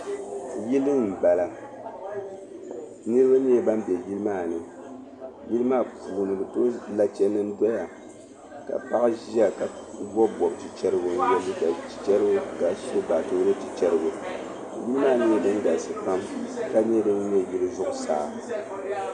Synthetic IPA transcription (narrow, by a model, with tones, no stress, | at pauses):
ji˦lɨ˦m̩˨ba˨la˦ | nɨ˦ɾɨ˦ba˦ɲɛ˦ba˦mbɛ˨ji˦lɨ˦maː˦˨nɨ˨ | ji˦lɨ˦maː˦˨puː˨nɨ˨bɨ˨to˦la˦t͡ʃɛ˦nːɨ˦n˦dɔ˦ja˨ | ka̰˨pa˦ʔa˦ʒa˦ka˨bɔ˦bɔ˨btɨ˨t͡ʃɛ˦ɾɨ˦ɡʊ˨n˦jɛ˦lːɨ˦ka˨t͡ʃɛ˦ɾɨ˦ɡʊ˦ka˨ʃɛ˦ba˨to˦lɨ˦tɨ˨t͡ʃɛ˦ɾɨ˦ɡʊ˨ | ji˦lɨ˦maː˦˨nɨ˦jdɨ˦n˦da˨sɨ˨pa˦mka˦ɲɛ˦dɨ˦ŋ˦ɲɛ˦˨ji˦lɨ˦zʊ˦ʔʊ˨sa̰ː˨